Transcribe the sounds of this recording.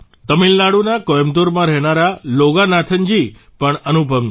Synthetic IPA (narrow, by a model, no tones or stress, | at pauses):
t̪əmilnaɽunakɔjmd̪oɾmãɾɛɦnaɾaloɡanat̪ʰənd͡ʒi | pəɳənubʱəm